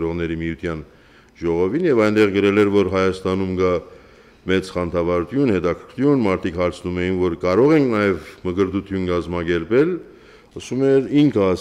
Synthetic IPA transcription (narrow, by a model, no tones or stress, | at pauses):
ɾɔʁnɛɾimijut̪ʰjɑn | ʒɔʁɔvinjɛvɑjnd̪ɛʁɡəɾɛlɛɾvɔɾɦɑjɑst̪ɑnumɡɑ | mɛt͡sχɑnt̪ʰɑvɑɾut̪ʰjunhɛt̪ɑkʰəɾʰkʰjunmɑɾt̪ʰikhɑɾt͡sʰnumɛjinvɔɾkɑɾɔʁɛŋkʰnɑjɛvməɡəɾd̪ut̪ʰjunkɑzmɑɡɛɾpɛl | əsumɛɾiŋkʰəɑ